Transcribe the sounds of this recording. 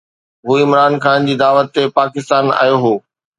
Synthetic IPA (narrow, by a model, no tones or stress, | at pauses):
ɦuːɪmɾaːnkʰaːnd͡ʑiːd̪aːʋət̪ːepaːkɪst̪aːna̰ːjoɦoː